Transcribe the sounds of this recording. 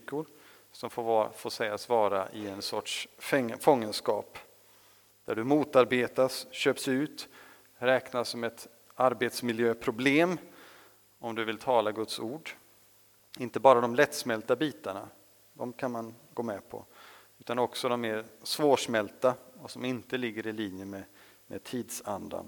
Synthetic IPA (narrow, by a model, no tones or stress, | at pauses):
kʊɾ | sɔmffoːʂɛjasvɑːɾa̰ʔɪɛnsɔʈʂfɔŋːənskɑːp | d̪̥æɖɵmuːt̪aɾbeːt̪asɕøːpsʉ̟ːt̪ | ɾɛːknasːɔmɛt̪ | aɾbeːt̪smɪljøːpʰɾʊbleːm | ɔmd̪ɵvɪlt̪ʰɑːlaɡɵt̪suːɖ | ɪnt̪əbɑːɾad̪ɔmlɛt̪smɛlt̪abiːt̪aɳa̰ | d̪ɔmkʰanmanɡoːmɛpʰɔ̰ | ʉ̟ːt̪anɔksɔd̪ɔmːeːɾsvoːʂmɛlt̪aɔsɔmɪnt̪əlɪɡːəɾɪliːnjəmɛ | mɛ̰t̪ʰiːd̪sand̪a̰n